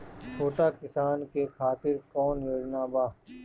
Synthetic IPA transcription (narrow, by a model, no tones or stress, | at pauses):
t͡ʃʰoːʈaːkɪsaːnkekʰaːt̪ɪɾkɔːnjeɽnaːbaː